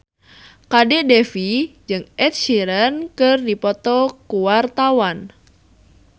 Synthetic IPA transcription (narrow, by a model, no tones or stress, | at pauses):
kadɛʔdɛfid͡ʒɨŋɛt̪̚ʃiɾənkɨrdipɔt̪ɔkuwart̪awan